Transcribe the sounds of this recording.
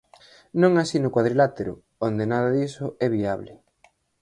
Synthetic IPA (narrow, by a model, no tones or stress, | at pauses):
nõŋasinʊkwaðɾilat̪eɾʊ̰ | ond̪enaðaðisʊɛβiaβlɪ